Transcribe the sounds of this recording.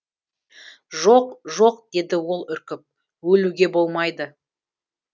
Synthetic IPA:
ʒo̞qʒo̞qd̪̥e̞d̪ɪwo̞lˠʏɾkʲɪp̚ | wɵluɡʲe̞bo̞lˠmɑjd̪ə

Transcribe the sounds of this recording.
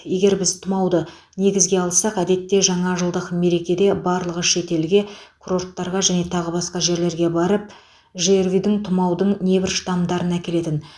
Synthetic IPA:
je̞ɡʲe̞ɾbɪzt̪ʰʊmɑwd̪ə | ne̞ɡʲɪzɡʲe̞ɑlˠsɑqæd̪e̞t̪ːe̞ʒɑɴɑʒəlˠd̪əqme̞ɾe̞kʲe̞d̪e̞bɑɾlˠəʁəʃe̞t̪e̞lɡʲe̞kʰuro̞rt̪ːɑɾʁɑʒæne̞t̪ʰɑʁəbɑsqɑʒe̞ɾle̞ɾɡʲe̞bɑɾəp̚ | ʒeɾvid̪ɪŋt̪ʰʊmɑwd̪əɴne̞bɪɾʃt̪ɑmd̪ɑɾənækʲe̞le̞t̪ɪn

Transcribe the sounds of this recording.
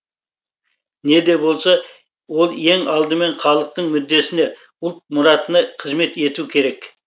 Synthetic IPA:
ne̞d̪e̞bo̞lˠsɑ | wo̞lˠe̞ŋɑlˠd̪əme̞ɴχɑlˠəq̚t̪əɴmʏd̪ːe̞sɪne | ʊlˠt̪̚mʊɾɑt̪ənɑqʰəzme̞t̪e̞t̪ukʲʰe̞ɾe̞k

